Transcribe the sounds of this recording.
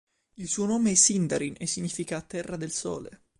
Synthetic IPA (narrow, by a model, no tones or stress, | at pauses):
ilsuːonoːmeɛsind̪aɾinɛsːiɲːiːfikaːt̪ːɛrːad̪elso̰ːlḛ